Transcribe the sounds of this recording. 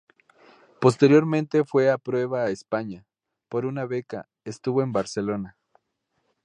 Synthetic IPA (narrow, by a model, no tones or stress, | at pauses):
po̞st̪e̞ɾjo̞ɾmẽnt̪e̞fwe̞apɾwe̞βaːespaɲa | po̞ɾunaβe̞ka̰ | est̪uβoembaɾse̞lo̞na